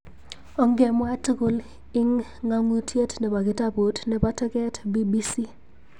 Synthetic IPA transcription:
ɔ˨˦ŋɡe˨mwa˦tku˨l | ɪ˦ŋːa˦ŋu˦tʰje˦tnɛ˨pa˨kɪ˦ta˦po˨˦tnɛ˨pa˦tɛ˦kɛ˦tbi˦bi˦si˦

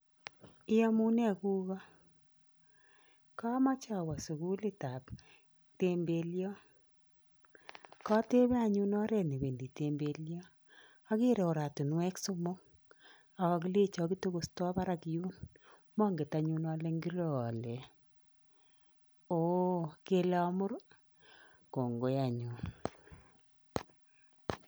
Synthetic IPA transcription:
ɪ˦jɔ˦mu˦nɛ˦˨ku˦ɣɔ˦ | ka˦ma˦t͡ʃa˨wa˨su˨ɣu˦lɪ˦ta˨p | te˦mbe˦ljɔ˦ | kɔ˦te˦βɛ˦a˦˨ɲu˦nɔ˦ɾɛ˦˨ne˨βe˨ndi˨te˨mbe˦ljɔ˦ | a˦ke˦ɾɛ˨o˨ɾa˨tu˨nwɛ˦kso˦mo˦ŋ | a˨kɔ˨ki˦le˦t͡ʃɔ˨ki˦to˦ɣo˨stɔ˦βa˦ɾa˦ki˦ju˦n | mɔ˦ŋɡe˨ta˨ɲu˦nɔ˦le˦ŋɡi˦ɾɔ˦˨lɛ˨ | o˦ke˦lɔ˦mʊ˦ɾ | ko˨ŋɡo˨˦ja˨ɲu˨n

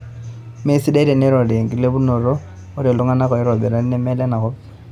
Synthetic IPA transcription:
me˦si˦da˦i˦ɾɛ˨nɛ˦ɾɔ˨de˨ŋɡi˨le˦bu˦no˨ɾɔ˦ | ʊ˦ɾɛ˨lu˦ŋa˦na˦kɔ˨i˦ɾɔ˨bɛ˨ɾa˦n˦nɛ˦mɛ˦lɛ˦na˨kɔ˦

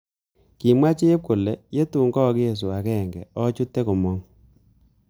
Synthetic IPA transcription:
ki˨mwa˦t͡ʃe˦e˦p̚ko˨lɛ˨je˦tu˨ŋɡɔ˦kje˦s̬u˨a˨kɛ˦˨ŋɡɛ˨ɔ˦t͡ʃu˦tːe˦ko˨mɔ˦ŋ

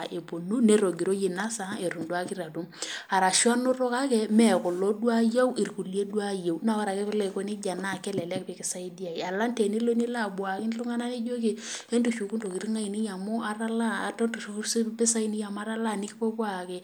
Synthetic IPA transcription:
ʔe˨po˨nu˦ne˦ɾo˨ɡi˨ɾo˦je˨na˦sa˨˦e˨ɾu˨ndwa˦kɪ˦ɾa˨tu˦ma˨ɾa˨ʃwa˦no˦ɾɔ˦ka˦kɛ˦mɛ˨kʊ˨lo˦dwa˦ja˦wi˨rku˨li˦e˦dwa˦je˨wna˦˨wa˦ɾa˨kɛ˦pɪ˦le˦˨ko˦ni˦d͡ʒa˨na˦˨kɛ˦lɛ˨lɛ˦kpɪ˨kɪ˨sa˦i˦di˦a˨i˨a˨la˦nte˨ni˦lo˦ni˦la˦˨bwa˨kɪ˦n˦lʊ˦ŋa˦na˦ne˦d͡ʒo˦k̬e˨e˦ntu˨ʃu˨ku˦ndo˨ki˨ɾi˦ŋa˦i˨ni˦ja˨mʊ˦a˦ɾa˦la˦˨a˨tɔ˦ntu˨ʃspɪ˦sa˦i˦ni˦ja˨m˦a˦ɾa˦la˦˨nɪ˦kɪ˦po˦kwa˦˨kɛ˦

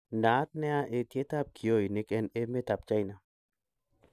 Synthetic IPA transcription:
naː˨˦t̪̚nɛ˦a˦ʔe˨t̪je˦t̪a˦˨p̚kʰi˨o˦˨jnɪ˨˦kɛ˦ne˦me˦t̪a˨p̚t͡ʃa˦jna˨

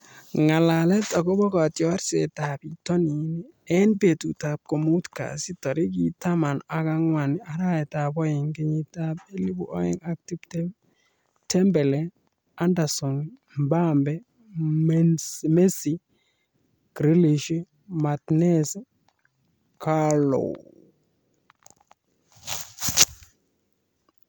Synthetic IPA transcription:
ŋa˨la˨le˦tɔ˨ko˦bɔ˦ka˨tjɔ˦ɾse˨ta˨bi˨to˦ni˨˦ni˦ | e˦nbe˨tu˨ta˨p̚ko˨mu˦tka̰˨si˦tɔ˨ɾi˦k̬i˦ta˦ma˨na˨ka˦ŋwa˨ni˦a˨ɾa˦e˨ta˨bɔ˦ji˨ŋɡi˦ɲi˨ta˦be˦li˦bṵ˨ʔo̰˦ḛ˦ŋa˨k̚ti˦bte˦ | tɛ˦mbe˨le˦ | a˦nda˨sɔ˨ŋ | mba˦mbɛ˦ | m˦me˦si˨ | ɡ̥ɾi˦li˨ʃi˦ | ma˨t̪nɛ˦s | ka˦lo̰˨w

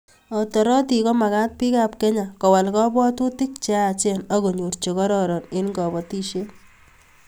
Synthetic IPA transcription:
ɔ˨tɔ˨ɾɔ˦ti˨kɔ˦ma˨ka˦t̚pi˦ka˦p̚kɛ˦ɲa˨kɔ˨wa˨lkɔ˦bɔ˦tu˦tɪ˦k̚t͡ʃa˦˨t͡ʃe˦nɔ˦ko˨ɲu˨ɾt͡ʃe˨kɔ˦ɾɔɾɔ˨nɪ˦nkɔ˨bɔ˨ti˦ʃe˦

